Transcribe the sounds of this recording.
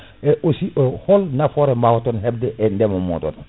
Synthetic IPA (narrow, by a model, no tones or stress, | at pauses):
eʔosiʔoholnafoɾemawotonheb̚deʔendemomo̰to̰n